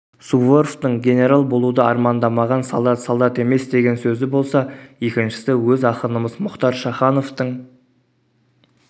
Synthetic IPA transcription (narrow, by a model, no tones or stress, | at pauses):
suvo̞rft̪əɴɡʲe̞ne̞ɾalˠbo̞lˠud̪əɑɾmɑnd̪ɑmɑʁɑnsa̰lˠd̪ɑt̪salˠd̪ɑt̪e̞me̞sd̪e̞ɡʲe̞nsɵzɪbo̞lˠsɑje̞kʲɪnʃɪ̥sɪwɵzɑqənəməzmʊqt̪ɑɾʃɑχɑno̞ft̪əɴ